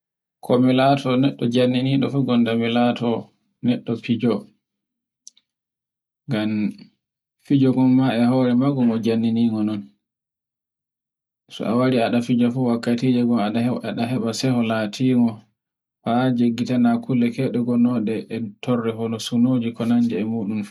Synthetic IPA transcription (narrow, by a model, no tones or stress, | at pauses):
kʰomilatʰɔnɛɗːɔd͡ʒanːiniɗɔfuɡɔndamilatʰɔ | nɛɗːɔpid͡ʒɔ | ɡam | fid͡ʒɔɡɔnmaɛɦɔɾɛmaɡɔŋɔd͡ʒanːiniŋɡɔnɔn | sɔ̰ʔa̰waɾiaɗafid͡ʒɔfuwakːatiːd͡ʒɛɡɔmaɗahɛaɗaɦɛɓasɛhɔlatʰiːŋɔ | fad͡ʒeɡːitanakʰulːɛkɛɗɛɡɔnɔɗɛʔːtʰɔrːɛɦɔnɔsunoːd͡ʒikɔnand͡ʒɛɛmuɗum